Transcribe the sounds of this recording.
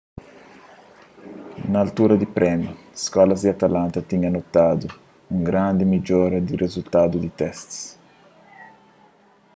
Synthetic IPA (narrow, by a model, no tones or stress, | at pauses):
naːlt̪uːɾad̪ipɾɛmju | skɔlazd̪iat̪alant̪at̪iɲanot̪ːaːd̪u | uŋɡɾand̪ɪmid͡ʒoːɾad̪iɾʔezult̪aːd̪ud̪it̪ɛst̪s